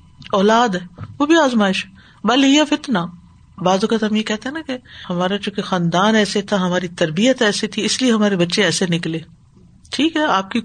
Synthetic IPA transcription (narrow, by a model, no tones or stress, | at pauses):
ɔːlaːd̪ɦɛːʋobʱiaːzmaːɪʃɛ | bɐːlijafɪt̪na | baːzɐkət̪ɦɐmjekɛɦt̪eɦɛ̃nɐkehɐmaːɾat͡ʃũːkexaːnd̪aːnɛːset̪ʰaɦɐmaːɾit̪ɐɾbijət̪ɛːset̪ʰiɪslieɦɐmaːɾebɐtːʃeɛːsenɪkleː | ʈʰiːkɦɛaːp̚ki